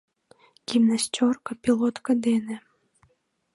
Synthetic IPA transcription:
ɡ̥ʲimnasʲtʲɔrkɐpʲilˠɔt̪kəd̪ɛne

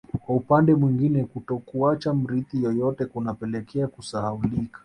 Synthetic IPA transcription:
kwaupandɛmwiŋɡinɛkutɔkuat͡ʃam̩ɾiθijɔjɔtɛkunapɛlɛkʰɛakusahaulikḁ

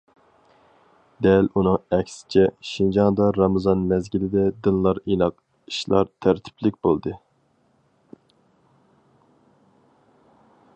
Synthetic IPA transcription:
d̪ɛlunɨŋɛkʲsɪ̥t͡ʃʰɛʃind͡ʒɑŋd̪ɑɾɑmɨzɑnmɛzɡʲilɪd̪ɛd̪ɨnlˠɑɾinɑq | i̥ʃlˠɑ̰ɾt̪ʰæɾt̪ʰɪ̥pʰlɪkʲbolˠd̪ɨ

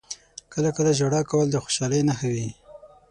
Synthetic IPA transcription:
kəlakəlaʒaɽɑkawəld̪əxo̥ʃɑləjnaxawi

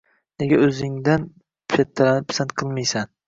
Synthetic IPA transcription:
neɡʲaɵzɪŋd̪an | pʰʃat̪ʰːalanɪpsanqʰɨlˠmajsan

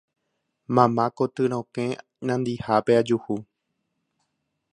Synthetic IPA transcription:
mãmãkot̪ɨɾ̃õkẽ | nãnd̪ihapead͡ʒuhu

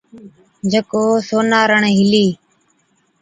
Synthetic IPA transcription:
d͡ʒəkoːsoːnaːɾəɳɦɪliː

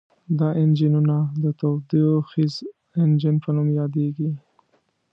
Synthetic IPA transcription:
d̪ɑʔɪnd͡ʒɪnunad̪ət̪od̪ioxiz | ɪnd͡ʒɪnpənʊmjɑd̪eɡi

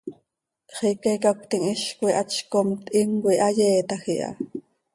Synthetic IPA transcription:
χikekakt̪iŋiʃkuiʔɑt͡ʃkomt̪ʔiŋɡwiʔɑjeːt̪ɑxiʔɑ̰

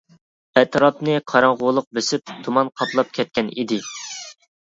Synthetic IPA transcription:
ɛt̪ʰɾɑpnɨqʰɑɾɑŋʁʊlˠʊq̚besɪp̚t̪ʰumɑnqʰɑplˠɑp̚kʲʰɛt̪̚kʲɛnid̪ɪ

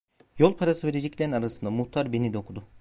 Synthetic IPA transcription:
jo̞lˠpʰaɾasɯve̞ɾed͡ʒɛclʲeɾinaɾasɯnd̪amuht̪ʰaɾbe̞nid̪ɛokʰud̪ʊ

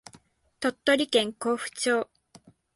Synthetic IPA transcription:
t̪o̞t̪ːo̞ɾʲikẽ̞ŋko̞ːɸɯ̟̥t͡ɕo̞ː

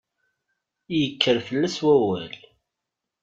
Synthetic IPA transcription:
jəkʰːəɾfəlːæswæwæl

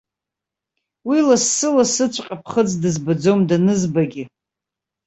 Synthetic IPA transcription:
wilasːɨlasɨt͡ɕʷʰʼqʲʼapʰχəd͡zʼdɨzbad͡zomdanɨzbaɡʲɪ

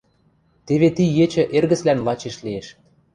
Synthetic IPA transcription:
t̪eβet̪ijet͡ɕə̆ʔerɣə̆t͡slænlɑt͡ɕeʃlieʃ

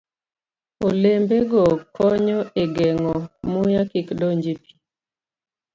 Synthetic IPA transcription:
olembeɡɔkɔɲɔeɡɛŋɔmujakikdoɲd͡ʒipi̥

